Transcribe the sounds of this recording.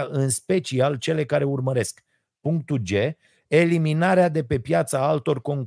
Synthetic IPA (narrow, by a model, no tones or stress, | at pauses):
aʔɨnspe̞t͡ʃialt͡ʃe̞le̞kaɾe̞urməɾe̞sk | puŋk̚t̪uld͡ʒe̞ | e̞liminaɾead̪e̞pe̞pjat̪saalt̪o̞rko̞ŋ